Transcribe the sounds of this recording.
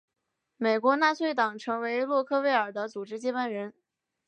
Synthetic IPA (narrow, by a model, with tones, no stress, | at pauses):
me˨˩ɪkwɔ˧˥na˥˧swe˥˩ɪt̪ɑ˨˩ŋʈ͡ʂʰɤ˧˥ŋwe˧˥ɪlwɔ˥˧kʰɤ˥˧we˥˩ɪə˞˨˩d̪ə˦t͡su˨˩ʈ͡ʂɻ̩˥t͡ɕjɛ˥pa˥˩nɻə˧˥n